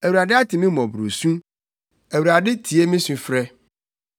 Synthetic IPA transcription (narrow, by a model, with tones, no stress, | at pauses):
æ˨wuɾa˨dɪ˦a˦tʰɪ˨mĩ˦mɔ̃˨bɾo̰˨sũ˦ | æ˨wu˨ɾa˨dɪ˦tʰi˨e˦mĩ˦sũ˨fɾɛ˦